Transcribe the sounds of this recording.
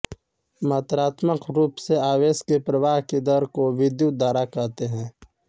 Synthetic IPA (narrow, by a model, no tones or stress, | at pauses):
mɐːt̪ɾaːt̪məqɾuːpseaːweːskepɾəwaːɦked̪əɾkoʋɪd̪juːt̪̚d̪aːɾakɐːt̪eɦɛ̃ː